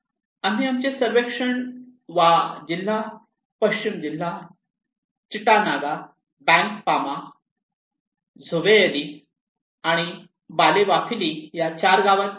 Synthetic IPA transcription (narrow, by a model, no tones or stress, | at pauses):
am̤iamt͡ɕesəɾʋekʂəɳʋad͡ʑil̤ːa | pəɕt͡ɕimd͡ʑilːa | t͡ɕiʈanaɡa | bɛ̃ŋkpama | d͡zʱoʋejeli | aɽ̃i | baleʋakʰilijat͡ɕaɾɡaʋat̪